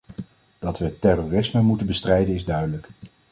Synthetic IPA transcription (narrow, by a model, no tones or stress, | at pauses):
d̥ɑtʋətɛrorɪsməmutənbəstrɛjdənɪzdœɥdələk